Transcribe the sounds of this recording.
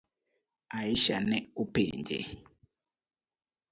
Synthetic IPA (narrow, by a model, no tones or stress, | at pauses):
aiʃanɛupḛːɲd͡ʒɛ̰